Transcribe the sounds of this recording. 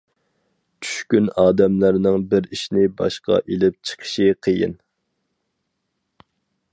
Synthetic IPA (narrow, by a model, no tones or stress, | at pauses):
t͡ʃʰy̥ʃkʲynɑːd̪ɛmlæɾnɪŋbɪɾiʃnɪbɑ̰ʃqɑ̰ʔelɪp̚t͡ʃʰə̥qʰə̥ʃiqʰəjḭn